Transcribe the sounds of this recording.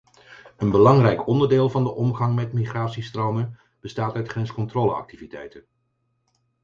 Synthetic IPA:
ənbəlɑŋrɛjkɔndəɹdɪːlˠvɑndəʔɔmχɑŋmɛtmiχraːtsistrowmən | b̥əstaːtœɥtχrɛnskɔntroːlə̰ɑ̰k̚tivitɛ̰jtən

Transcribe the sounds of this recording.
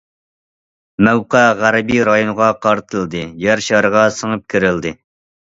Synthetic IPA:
mɛwqæʁæɾɪbijɾɑjonəʁɑqʰɑɾt̪ʰɨlˠd̪ɨjæɾʃɑɾəʁɑsəŋəp̚kʲʰiɾɪld̪ɨ

